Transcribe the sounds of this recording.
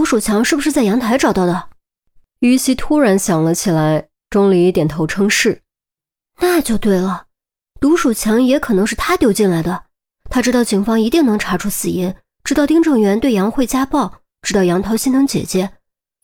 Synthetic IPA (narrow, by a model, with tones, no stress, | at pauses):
t̪u˧˥ʂu˨˩t͡ɕʰjɑ˧˥ŋʂɻ̩˥˩bu˩ʂɻ̩˥˧t͡sa˥˩ɪjɑ˧˥ŋt̪ʰa˧˥ɪʈ͡ʂɑ˨˩ʊt̪ɑ˥˩ʊd̪ə˩ | y˧˥ɕi˧˥t̪ʰu˥ɻa˧˥nɕjɑ˨˩ŋlə˦t͡ɕʰi˨˩la˧˥ɪ | ʈ͡ʂʊ˥ŋli˧˥i˥˩t̪jɛ˨˩nt̪ʰo˧˥ʊʈ͡ʂʰɤ˥ŋʂɻ̩˥˩ | na˥˧t͡ɕjo˥˧ʊt̪we˥˩ɪlə˩ | t̪u˧˥ʂu˨˩t͡ɕʰjɑ˧˥ŋjɛ˧˥kʰɤ˨˩nɤ˧˥ŋʂɻ̩˥˩t̪ʰa˥t̪jo˥ʊt͡ɕi˥˩nla˧˥ɪd̪ə˨ | t̪ʰa˥ʈ͡ʂɻ̩˥t̪ɑ˥˩ʊt͡ɕi˨˩ŋfɑ˥ŋi˧˥t̪i˥˩ŋnɤ˧˥ŋʈ͡ʂʰa˧˥ʈ͡ʂʰu˥sɹ̩˨˩i˧˥n | ʈ͡ʂɻ̩˥t̪ɑ˥˧ʊt̪ʰi˥ŋʈ͡ʂɤ˥˩ŋɥɛ˧˥nt̪we˥˩ɪjɑ˧˥ŋxwe˥˩ɪt͡ɕja˥pɑ˥˩ʊ | ʈ͡ʂɻ̩˥t̪ɑ˥˩ʊjɑ˧˥ŋt̪ʰɑ˧˥ʊɕi˥nɤ˧˥ŋt͡ɕjɛ̰˨˩t͡ɕjɛ˧˥